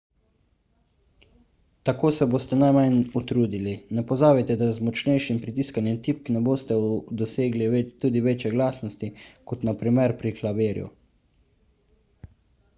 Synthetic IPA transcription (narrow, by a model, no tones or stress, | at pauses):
t̪akoːsɛboːst̪ɛnajmajnut̪ɾuːd̪ilinɛpɔzaːbɛt̪ɛd̪azmɔt͡ʃnɛjʃimpɾit̪iskanjɛmt̪ip̚knɛboːst̪ɛd̪ɔseːɡliet̪uːd̪iʋeːt͡ʃjɛɡlaːsnɔst̪ikɔt̪napɾimɛɾpɾiklabeːɾjṵ